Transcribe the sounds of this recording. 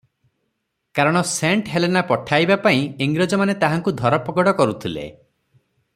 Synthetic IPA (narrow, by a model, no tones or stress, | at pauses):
kaɾɔɽ̃ɔseɳʈɦelenapɔʈʰajbapaĩiŋɡɾɔd͡ʒɔmanet̪aɦaŋkud̪ʱɔɾɔpɔɡɔɽɔkɔɾut̪ʰilḛ